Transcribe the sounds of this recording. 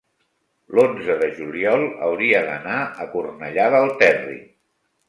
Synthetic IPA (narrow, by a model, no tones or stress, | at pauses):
lonzəðəʒuliɔlˠə̰wɾiəðə̰naʔəkurnəʎaðəːlˠt̪ɛrḭ